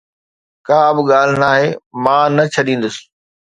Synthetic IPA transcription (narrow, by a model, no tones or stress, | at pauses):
kãːɐbɪɠaːl̤ɪnaːɦeːmãːnɐt͡ɕʰɐɗĩːn̆d̪ʊsɪ̥